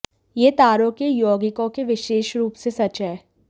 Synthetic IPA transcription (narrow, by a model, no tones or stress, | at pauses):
jeːt̪aːɾõkejoːɡɪkõkeʋɪʃeːʃɾuːpsesɐt͡ʃɦɛː